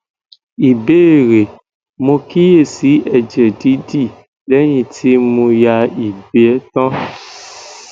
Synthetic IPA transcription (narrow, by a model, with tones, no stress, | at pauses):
i˨be˦˨ɾe˨ | mõ˧ki˦je˦˨si˨˦ɛ˨d͡ʒɛ˨di˨˦di˦˨ | lɛ˦j̃ĩ˧tʰi˦mõ˧ja˧i˨be˨˦ɛ˦tɔ̃˦